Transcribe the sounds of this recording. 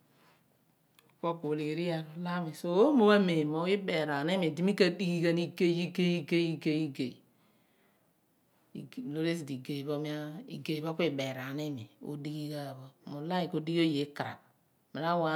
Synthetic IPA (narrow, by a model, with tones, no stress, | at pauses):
ko˦ko˨li˨ɾi˦ja˨ɾo˨la˦me˨so˦o˦mo˦wa˦me˨mo˦i˦be˨ɾa˨ne˦mi˨di˨mi˦ka˦di˦ɡi˦ka˦ni˦ke˦ji˦ke˦i˦ke˦i˦ke˦i˦ɡe˨ | lo˦ɾe˦s̬i˨di˨ɡe˨βo˦mi˦a˦ḭ˨ɡe˨βo˦kʷi˦be˨ɾa˨ne˦mi˨o̰˦di˦ɡi˦ka˦˨βo˦mo˨la˦i˨ko˨di˦ɡo˦je˨˦ka˨ɾa̰˨k̚ | mi˨ɾa˦wa˨˦